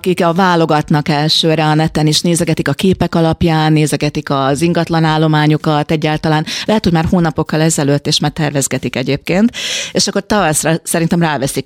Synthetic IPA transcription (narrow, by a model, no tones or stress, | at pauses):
kikvaːlo̞ɡɒt̪nɒkɛlʃøːɾɛɒnɛt̪ɛniʃneːzɛɡɛt̪ikɒkeːpɛkɒlɒpjaːnːeːzɛɡɛt̪ikɒziŋɡɒt̪lɒnaːlːo̞maːɲokɒt̪ɛɟːaːlt̪ɒlaːnlɛɦɛt̪hoɟmaːrhoːnɒpo̞kːɒlɛzɛløt̪ːeːʃmaːrt̪ɛrvɛzɡɛt̪ikɛɟeːp̚keːnt̪eʃɒkːo̞rt̪ɒvɒsrɒsɛɾint̪ɛmraːvɛsik